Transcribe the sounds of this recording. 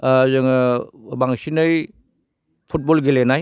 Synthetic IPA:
zɯŋbaŋsinɯj | pʰut̚bolɡelenaj

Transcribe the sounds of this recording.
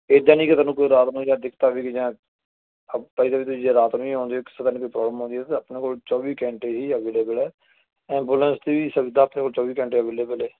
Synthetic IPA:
eːd̪ãːnĩːkɪt̪anũːkoiːɾaːt̪nũːd͡ʒãːd̪ɪkʰt̪aːʋiːkd͡ʒãː | paːiːd̪aːbiːt̪ʊsiːd͡ʒaːɾaːt̪nũːiːɦõːnd̪iːokɪ̥seːt̪aːnẽːkoipɾɔːbləmɦõːnd̪iːɛt̪eəpnẽːkoːlt͡ʃɔːʋiːkɛ̃ːɳʈeːɦiːəʋeːleːbəlɛː | ɛ̃ːmbuːlə̃nst̪iːʋiːsəbd̪aːpneːkoːlt͡ʃɔːʋiːkɛ̃ːɳʈeːəʋeːleːbəlɛː

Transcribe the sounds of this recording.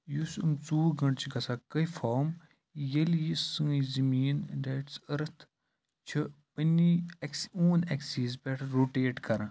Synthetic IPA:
jusumt͡suːɡɐɳʈt͡ʃʰiɡɐsaːkɐifoːɾm | jɐljisɨ̃ːzɐmiːndeːʈsɐɾɐt̪ʰ | t͡ʃʰi | pənːiksuːneksiːzpeʈʰɾoːʈeːʈkɐɾɐ̃

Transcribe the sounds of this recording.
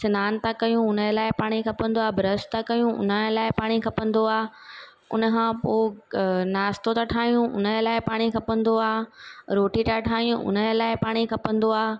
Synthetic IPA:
sɪnaːnt̪akɐjũʊnəlaːɪpaːɽ̃ikʰɐpə̃n̆d̪oaːbɾəst̪akɐjũʔʊ̰nəlaːɪpaːɽ̃ikʰɐpə̃nd̪oaː | ʊ̰nəkʰãpoːnaːst̪ot̪ãʈʰaːɦijũʔʊ̰nlaːɪpaːɽ̃ikʰɐpə̃nd̪oaːɾoːʈit̪aʈʰaːijũʊ̰nəlaːɪpaːɽ̃ikʰɐpə̃nd̪oaː

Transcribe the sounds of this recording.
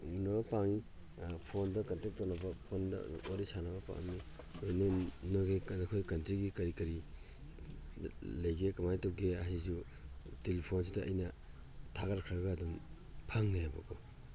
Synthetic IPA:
noapaŋi | pʰondɐkɐntek̚tonɐbɐpʰondɐ̰oɾisanɐbɐpa̰ŋɐ̰mi | onenoɡeknakʰojkɐntɾiɡikɐɾikɐɾi | lɐjɡekɐmajtowɡeɐɦizu | telipʰons̬idɐɐ̰jnɐ | tʰaɡaɾkʰɾɐɡaːdum | pʰaŋnajabɐ̰ko

